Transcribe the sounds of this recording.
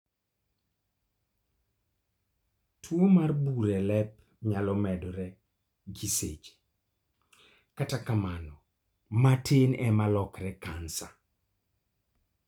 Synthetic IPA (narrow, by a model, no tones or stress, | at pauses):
tʰwomarbuɾɛlɛp̚ | ɲalɔmɛdɔɾɛ | ɡiset͡ʃe̥ | katakamanɔ | matʰenɛmalɔkɾɛkansa